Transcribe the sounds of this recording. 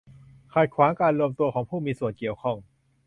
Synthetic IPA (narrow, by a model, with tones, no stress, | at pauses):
kʰaː˨˩kʰwaː˩˦ŋkaː˧nɾu˧əmt̪u˧ɐkʰɔː˩˦ŋpʰuː˥˩miː˧su˨˩ənki˨˩əwkʰɔ˥˩ŋ